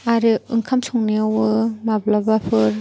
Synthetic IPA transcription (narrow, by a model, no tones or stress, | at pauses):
aɾiɯŋkʰamsɔŋniawɯmablabapʰɯɾ